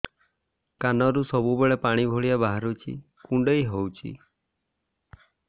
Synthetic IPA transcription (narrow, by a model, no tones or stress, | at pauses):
kanɔɾusɔbubeɭepaɽ̃ibʱoɭiabaɦaɾut͡ʃʰḭ | kuɳɖejɦowt͡ʃʰḭ